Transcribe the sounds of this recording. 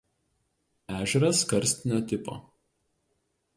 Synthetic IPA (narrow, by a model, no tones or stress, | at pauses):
æːʒʲɛɾɐskɐɾʲsʲt̪ʲɪnʲoːt̪ʲɪpo̰ː